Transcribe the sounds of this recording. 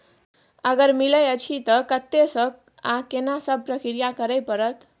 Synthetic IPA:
ʌɡʌɾmilʌjʌt͡ʃʰit̪ʌkʌt̪ːesʌk̚ | ãkenasʌb̚prʌkɾijakʌɾəjpʌɾʌt̪

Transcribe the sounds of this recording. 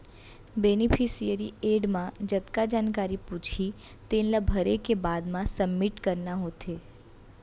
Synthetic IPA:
beːnipʰisijəɾieːɖmãd͡ʒət̪kad͡ʒaːnkaːɾipuːt͡ʃʰi | t̪eːnlabʱəɾekebaːd̪mãsəbːɪʈkəɾnaɦoːt̪ʰeː

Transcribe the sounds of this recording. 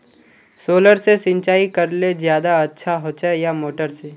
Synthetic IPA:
soːləɾsesɪ̃nt͡ʃaːikəɾlezjaːd̪aɐtːʃʰaɦoːt͡ʃajamoːʈəɾse

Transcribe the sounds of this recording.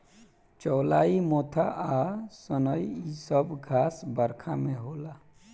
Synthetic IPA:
t͡ʃɔːlaːimoːt̪ʰaʔasənəiisəbɡʱaːsbəɾkʰamẽɦoːla

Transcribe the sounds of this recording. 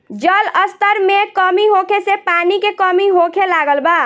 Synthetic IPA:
d͡ʒələst̪əɾmẽkəmiɦokʰesepaːnikekɔmiɦokʰelaːɡəlbaː

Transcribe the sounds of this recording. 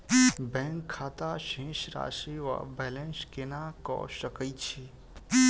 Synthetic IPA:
bɛ̃ŋkʰːaːt̪aʃẽːʃɾa̰ːʃiʋa̰bɛlẽnskenakɔ̰ʃəkəit͡ʃʰi

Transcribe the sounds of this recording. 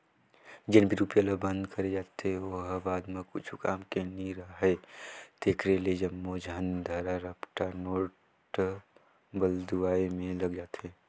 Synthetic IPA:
d͡ʒɪnbʱiɾuːpjaləbə̃nd̪kəɾed͡ʒaːt̪ɦeoɦbaːd̪mẽkʊt͡ʃʰukaːmkeniɾəɦed̪̥eːkʰɾeled͡ʒɐmːod͡ʒʱənd̪ʱɐɾaɾəpʈanoːʈ | bəld̪uaːimẽlɐɡd͡ʒaːt̪eː

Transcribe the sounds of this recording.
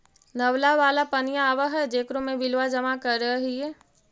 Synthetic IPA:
nɐʋlaʋaːlapɐnijaːʋəɦɛd͡ʒeːkɾõmẽʋɪlʋad͡ʒɐmakɐɾːəɦɦiɦɛː

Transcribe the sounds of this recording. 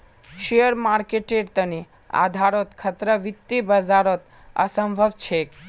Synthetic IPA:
ʃejəɾmaɾkeʈeɖt̪əni | a̰d̪ʱaɾot̪kʰət̪ɾəʋit̪ːibəd͡ʒaɾot̪ | ə̰səmbʱəʋt͡ʃʰek

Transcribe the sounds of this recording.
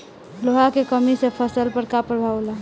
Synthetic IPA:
loɦakekəmisepʰəsəlpəɾkapɾəbʱawla

